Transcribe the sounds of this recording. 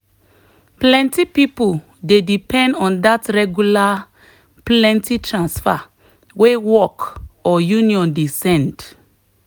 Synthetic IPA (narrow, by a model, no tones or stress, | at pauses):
plɛ̃ntipipul | dedipɛ̃ndɔ̃ndatɹɛɡjula | plɛ̃ntitʰɹãnsfa | wewɔkɔjũniɔ̃ndesɛ̃nd